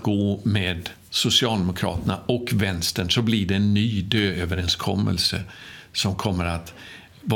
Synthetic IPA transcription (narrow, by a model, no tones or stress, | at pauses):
ɡ̥oːmeːd̪ | sʊsɪɑːld̪ɛmʊkʰɾɑ̰ːt̪əna̰ɔkvɛnst̪əɳsɔblɪɖɛːnːyːd̪øːøːvəɾɛnskʰɔ̰mːʔə̰lsə̰sɔmkʰɔmːəɾat̪ | v